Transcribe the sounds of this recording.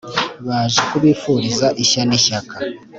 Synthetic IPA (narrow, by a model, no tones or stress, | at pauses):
βaːʒekuβifuɾizaʔiçaniçaka